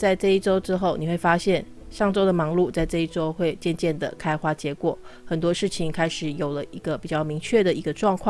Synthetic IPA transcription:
t͡sa˥˧ɪʈ͡ʂɤ˥˧i˥ʈ͡ʂo˥ʊʈ͡ʂɻ̩˥xo˥˩ʊni˨˩we˥˩ɪfa˥ɕjɛ˥˩n | ɕɑ˥˩ŋʈ͡ʂo˥ʊd̪ə˨mɑ˧˥ŋlu˥˧t͡sa˥˧ɪʈ͡ʂɤ˥˧i˥˩ʈ͡ʂo˥ʊxwe˥˧ɪt͡ɕjɛ˥˧nt͡ɕjɛ˥˩nd̪ə̰˩kʰa˥ɪxwa˥t͡ɕjɛ˧˥kwɔ˨˩˦xə˨˩nt̪wɔ˥ʂɻ̩˥˩t͡ɕʰi˨˥ŋkʰa˥ɪʂɻ̩˨˧˥jo˨˩ʊlə˦ʔi˧˥ɡə˧pi˨˩t͡ɕjɑ˥˩ʊmi˧˥ŋt͡ɕʰɥɛ˥˩d̪ə˩i˧˥ɡə˧ʈ͡ʂwɑ˥˧ŋkʰwɑ˥˨

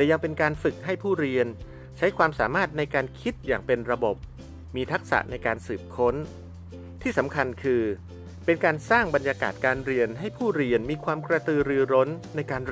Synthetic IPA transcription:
t̪ɛː˨˩ja˧ŋpe˧nkaː˧nfɯ˨˩k̚ɦa˥˩jpʰuː˥˩ɾi˧ən | t͡ɕʰa˦˥jkʰwaː˧msa̰ː˩˦maː˥˩t̪̚na˧jkaː˧nkʰi˦˥t̪̚jaː˨˩ŋpe˧nɾa˧bo˨˩p̚ | miː˧t̪ʰa˦˥k̚sa̰˨˩ʔna˧jkaː˧nsɯː˨˩p̚kʰo˦˥n | t̪ʰiː˥˩sa˩˦mkʰa˧nkʰɯː˧ | pe˧nkaː˧nsaː˥˩ŋba˧njaː˧ka̰ː˨˩t̪̚kaː˧nɾi˧ənɦa˥˩jpʰuː˥˩ɾi˧ənmiː˧kʰwaː˧mkɾa˧t̪ɯː˧ɾɯː˧ɾo˦˥nːa˧jkaː˧n

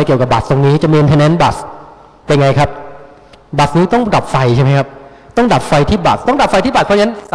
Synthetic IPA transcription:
jki˨˩ka˨˩b̚a˨˩st̪o˧ŋniː˦˥t͡ɕa˨˩miː˧ʔi˧nt̪ʰɛː˧nɛ˦˥nba˨˩s | a˧ŋa˧jkʰa˦˥p̚ | ba˨˩sniː˦˥t̪ɔ˥˩ŋda˨˩p̚fa˧jt͡ɕʰa˥˩ma˦˥jkʰa˦˥p̚ | t̪ɔ˥˩ŋda˨˩p̚fa˧jt̪ʰiː˥˩ba˨˩t̪ɔ˥˩ŋda˨˩p̚fa˧jt̪ʰiː˥˩ba˨˩˦n

